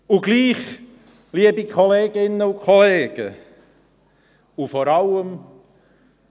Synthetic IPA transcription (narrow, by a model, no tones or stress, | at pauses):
uɡliːχ | liəbikʰɔleːɡ̥ɪnːəʊkʰɔleːɡ̥ə̰ | ufɔːɾɑləm